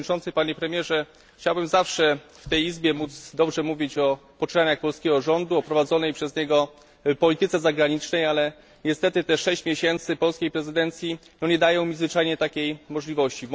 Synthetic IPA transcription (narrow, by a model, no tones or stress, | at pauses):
it͡ʂɔnt̪sɘpaɲɛpɾɛmʲjɛʐɛ | xt͡ɕawbɘmzafʂɛft̪ɛjizbʲjɛmud̪zd̪ɔbʐɛmuvʲit͡ɕɔpɔt͡ʂɘnaɲaxpɔlskʲɛɡɔʐɔnd̪uɔpɾɔvad̪zɔnɛjpʂɛzɲɛɡɔ | pɔlʲit̪ɘt̪sɛzaɡɾaɲit͡ʂnɛjalɛ | ɲɛst̪ɛt̪ɘt̪ɛʂɛɕt͡ɕmʲjeɕɛnt̪sɘpɔlskʲejpɾɛzɘd̪ɛnt̪sʲjinɔɲɛd̪ajɔ̃w̃mʲizvɘt͡ʂajɲɛt̪akʲejmɔʐlʲivɔɕt͡ɕi